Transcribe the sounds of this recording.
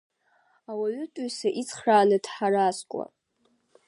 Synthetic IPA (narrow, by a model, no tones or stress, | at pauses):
awaɥʏtʼʊɥsaʔit͡sʰʼχraːnɨdħaɾaskʷʼa̰